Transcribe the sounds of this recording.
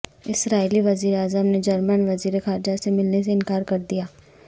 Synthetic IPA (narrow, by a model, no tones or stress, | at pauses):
ɪsɾaːiliʋɐziːɾeaːzəmned͡ʒɐɾmənʋɐziːɾexaːɾd͡ʒasemɪlnes̬eɪnkaːɾkɐɾd̪ijaː